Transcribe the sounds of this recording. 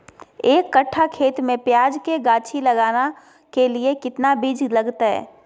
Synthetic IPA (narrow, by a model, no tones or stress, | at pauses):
eːkːɐʈʰːakʰeːt̪mẽpjaːd͡ʒkeɡaːt͡ʃʰilɐɡaːna | keliekɪt̪nabid͡ʒlɐɡt̪ɦɛ̰ː